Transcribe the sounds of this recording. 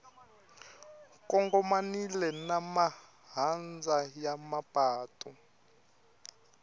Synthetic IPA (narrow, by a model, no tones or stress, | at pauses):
kɔŋɡɔmanilɛnama | ɦand͡zajamapʼaːtʼu